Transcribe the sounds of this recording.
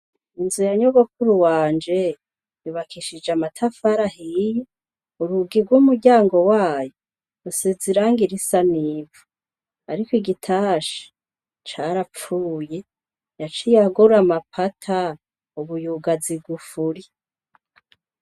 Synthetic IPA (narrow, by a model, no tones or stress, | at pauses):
inzujaɲoβokuɾuwaːnd͡ʒe | juβakʰiʃid͡ʒamatʰafaɾahiji | uɾuɡiɾɡwumuɟaːŋɡo̞waːjo | ɾuseziɾaŋɡiɾisaniːvu̥ | aɾikiɡitʰaːʃi̥ | t͡ʃaɾap͡fuːje | jat͡ʃijaɡuɾamapʰatʰa | uβujuɡaziɡufuɾi